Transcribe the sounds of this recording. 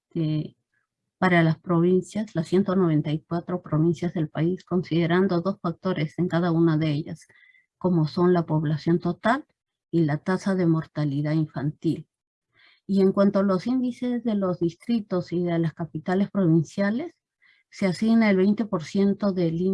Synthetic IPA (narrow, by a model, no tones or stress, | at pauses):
e | paɾalaspɾo̞βinsjaslasje̞nt̪ono̞β̞e̞nt̪ajkwat̪ɾo̞pɾoβinsjazðe̞lpaisko̞nsiðe̞ɾand̪o̞ðo̞sfak̚t̪o̞ɾe̞se̞ŋkaðaunaðeeʎa̰s | ko̞mo̞so̞nlapo̞βlasjo̞nt̪o̞t̪al | ilat̪asaðe̞mo̞ɾt̪aliðaiɱfant̪il | ie̞ŋkwant̪oalo̞sind̪ise̞zðe̞lo̞zðist̪ɾit̪o̞siðelaskapit̪ale̞spɾo̞βinsjale̞sː | easiɣnaelβejnt̪e̞po̞ɾsje̞nt̪oðe̞li